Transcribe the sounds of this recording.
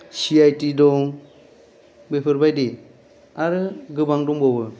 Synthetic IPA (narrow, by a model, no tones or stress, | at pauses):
siajtidɔŋ | bepʰɯɾbajdi | aɾɯɡɯbaŋduŋbɔbɯ